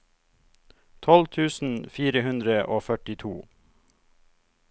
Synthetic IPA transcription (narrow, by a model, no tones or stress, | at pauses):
t̪ʰɔlt̪ʰʉːsn̩fiːɾəhʉnd̪ɾəʔoːfœʈɪt̪ʰuː